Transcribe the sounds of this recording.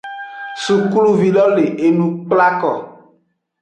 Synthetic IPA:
su˨klu˦vi˨ɖɔ˦le˨ʔe˨nũ˨k͡pla˦kɔ̰˨

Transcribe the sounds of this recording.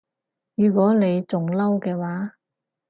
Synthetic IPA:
jyː˨˩kʷɔː˨˥ne˨˧jt͡sʊ˨ŋlɐ˥wkɛː˧waː˨˥

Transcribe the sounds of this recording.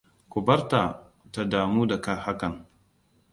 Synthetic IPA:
kʷʊ˨bɐ˦rtaː˨ | ta˦daː˨muː˦da˨ka˦ha˦kɐ˨ŋ

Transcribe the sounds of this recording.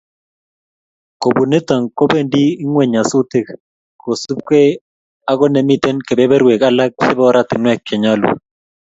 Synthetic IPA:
ko˨bu˨ne˦t̪a˨ŋko˦be˦˨ndiː˦ŋwɛ˨ɲa˨su˦t̪e˦˨k | kʰo˨su˦b̚ke˦ | a˦ɡɔ˦nɛ˨mi˦t̪ɛ˦nke˨be˦bɛ˦ɾwe˨ka˦la˦k̚sɪ˦bɔ˦ɾa˦t̪ɪ˨nwɛ˦kʰːɛ˨ɲa˦lṵ˨

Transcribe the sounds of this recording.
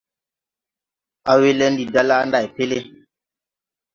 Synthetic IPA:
a˨we˦lɛ˦ndi˨da˦la˦nda˦˨jpe˦le˦

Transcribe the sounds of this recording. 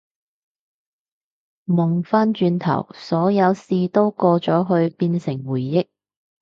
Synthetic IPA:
mʊ˨˩ŋfaː˥nt͡ʃyː˧nt̪ʰɐ̰˨˩wsɔː˨˥jɐ˨˧wsiː˧t̪o˥wkɔː˧t͡sɔː˨˥ɦɵ˧ɥpiː˧nsɪ˨˩ŋwuː˨˩jːɪ˥k̚

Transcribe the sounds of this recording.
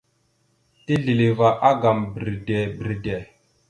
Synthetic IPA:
ti˦ɮi˨li˨va˨ʔa˦ɡa˨mbɾi˨dɛ˨bɾi˨dɛ˨

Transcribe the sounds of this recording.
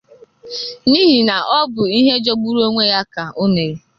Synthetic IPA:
ni˦ɦi˨na˨ʔɔ˦bʊ˨i˦ɦe˦d͡ʒo˦ɡ͡bu˦ɾu˦o˦ŋʷe˦ja˦ka˨o˦ne˨ɾe˨

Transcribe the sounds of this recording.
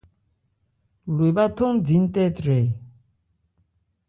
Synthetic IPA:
lwe˨ɓa˦to˦ŋdi˨˦n˦tɛ˦˨tɾɛ˨

